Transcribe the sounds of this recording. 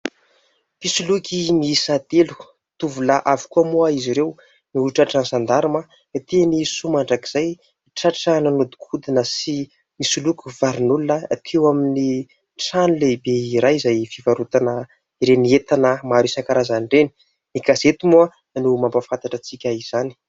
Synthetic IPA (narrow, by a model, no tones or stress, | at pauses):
fisulukʲimiisad̪elu̥ | t̪uvulaʔavi̥kuəmuaiziɾew | niulʈ͡ʂaʈ͡ʂansand̪aɾuma | t̪enisumaɳɖ͡ʐaki̥z̥aj | ʈ͡ʂaʈ͡ʂananod̪u̥kʰud̪inəsi | misulukuvaɾinulunat̪ʰewamini | ʈ͡ʂanulebeiɾajizajfivaɾut̪anə | iɾeniet̪anəmaɾisaŋkaɾazanɳɖ͡ʐeni̥ | niɡazet̪umuə | numampafãnt̪aʈ͡ʂət͡sikʲaiz̥ani̥